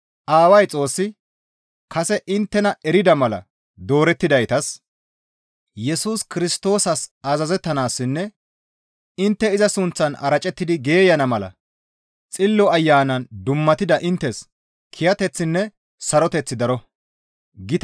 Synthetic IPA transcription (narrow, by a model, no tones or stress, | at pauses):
ʔaːwɐjt͡sʼo̞ːsːɪ | kɐsɛʔɪnt̪ːɛnɐɛɾɪd̪ɐmɐlɐ̰ | d̪o̞ːɾɛt̪ːɪd̪ɐjt̪ɐs | jɛsuːskɪɾɪst̪o̞ːsɐsazɐzɛt̪ːɐnaːsːɪnːɛ | ɪnt̪ːɛɪzɐsʊnt͡sːɐnɐ̰ɾɐt͡ʃʼɛt̪ːɪd̪ɪɡe̞ːjɐnɐmɐlɐ̰ | t͡sʼɪlːɔɐjːaːnɐnd̪ʊmːɐt̪ɪd̪ɐʔɪnt̪ːɛs | kʰɪjɐt̪ɛt͡sːɪnːɛ | sɐɾɔt̪ɛt͡sːɪd̪ɐɾɔ | ɡɪt̪